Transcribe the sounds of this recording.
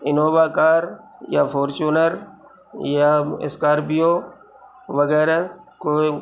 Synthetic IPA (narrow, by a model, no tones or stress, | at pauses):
ɪnoːʋaːkaːɾjafʰoːɾt͡ʃuːnəɾ | jaɪ̰skaːɾbijoː | ʋɐɣɛːɾakoːi